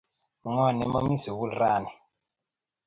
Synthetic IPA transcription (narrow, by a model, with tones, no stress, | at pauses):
ŋɔ˨nɛ˨˦mo˦mi˦si˨βu˦lɾaː˦nɛ˨